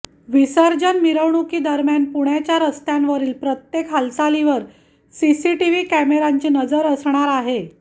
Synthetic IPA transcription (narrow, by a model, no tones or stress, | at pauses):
ʋisəɾd͡ʑənmiɾəʋɳukiːd̪əɾmjanpuɳjat͡ɕjaɾəst̪janʋəɾiːlpɾət̪jekɦəlsaliʋəɾ | sisiʈiʋiːkæmeɾaɲt͡ɕiːnəd͡zəɾəsɳ̃aɾaɦe